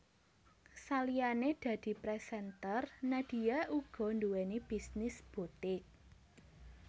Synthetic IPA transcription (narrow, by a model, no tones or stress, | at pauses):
salijaned̪̥ä̤d̪̥i̤pɾɛsɛnt̪ərnad̪̥i̤jaʔuɡ̥ɔ̤nduwɛnib̥i̤snɪsb̥ṳt̪ɪk̚